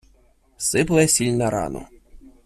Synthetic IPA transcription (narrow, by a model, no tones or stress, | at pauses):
sɪpɛsʲilʲnɐɾa̰nɔ̰